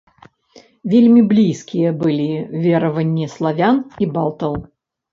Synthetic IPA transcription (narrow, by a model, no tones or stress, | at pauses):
vʲelʲmʲiblʲijskʲijɛbɨlʲivʲeɾɐvɐnʲːɛslˠavʲanibalˠt̪əlˠ